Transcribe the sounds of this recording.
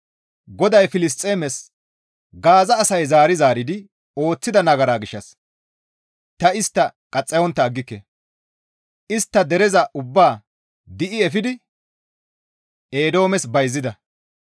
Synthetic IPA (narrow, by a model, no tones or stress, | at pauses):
ɡɔd̪ɐjfɪlɪst̪ʼːeːmɛs | ɡaːzɐːsɐjzaːɾɪzaːɾɪd̪ɪ | o̞ːt͡sːɪd̪ɐnɐɡɐɾaːɡɪʃːɐs | t̪ɐɪst̪ːɐkʼɐt͡sʼːɛjɔnt̪ːɐːɡːɪkːɛ | ɪst̪ːɐd̪ɛɾɛzɐʔʊbːaː | d̪ɪʔɪɛfɪd̪ɪ | eːd̪o̞ːmɛsbɐjzːɪd̪ɐ